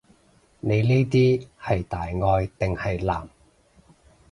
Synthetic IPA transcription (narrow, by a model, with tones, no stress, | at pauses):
ne˨˧jniː˥jt̪iː˥hɐ˨jt̪aː˨jŋɔː˧jt̪ɪ˨ŋhɐ˨jla̰ː˨˩m